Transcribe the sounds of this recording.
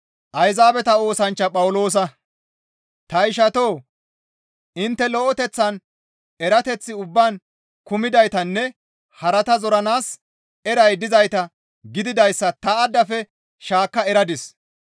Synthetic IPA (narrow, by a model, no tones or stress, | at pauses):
ʔɐjzaːbɛt̪ɐo̞ːsɐnt͡ʃːɐpʼɐwʊlo̞ːs̬ɐ | t̪ɐɪʃɐt̪oː | ɪnt̪ːɛlɔʔɔt̪ɛt͡sːɐn | ɛɾɐt̪ɛt͡sːɪʊbːaːn | kʊmɪd̪ɐjt̪ɐnːɛ | hɐɾɐt̪ɐzɔɾɐnaːs | ɛɾɐjd̪ɪzɐjt̪ɐ | ɡɪd̪ɪd̪ɐjsːɐt̪ɐːd̪ːɐfɛ | ʃaːkːɐɛɾɐd̪ɪs